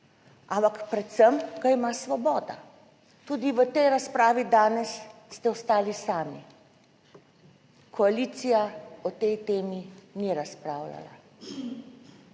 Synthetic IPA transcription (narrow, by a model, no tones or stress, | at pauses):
ʔampakpɾɛt̪səmɡ̥aimasʋɔbɔːd̪a̰ | t̪uːd̪iʋət̪ɛjɾaspɾaːʋid̪aːnɛsːt̪ɛɔst̪aːlisaːmi | kɔaliːt̪sijaɔt̪ɛjt̪eːminiɾaspɾaːwla̰la̰